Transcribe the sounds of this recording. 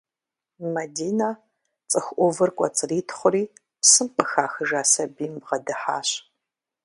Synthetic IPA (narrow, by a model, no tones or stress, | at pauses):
mɐdiːna | t͡sʼɨxʷʔʷɔvɨrkʷʼɔ̰t͡sʼɨriːtʰχʷʊɾiː | psɨmqəxaːxɨʒaːsɐbiːmbʁɐdɨħaːɕ